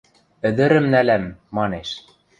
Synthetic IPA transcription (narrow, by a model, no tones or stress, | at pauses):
ɘ̆d̪ɘ̆ɾɘ̆mnælæmːɑneʃ